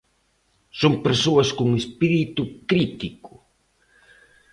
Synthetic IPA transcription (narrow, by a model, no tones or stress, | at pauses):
soŋpeɾsoɐskuŋespiɾit̪ʊkɾit̪ikʊ̥